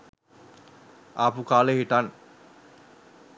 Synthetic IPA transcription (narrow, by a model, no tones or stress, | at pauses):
apukaːləɦiʈan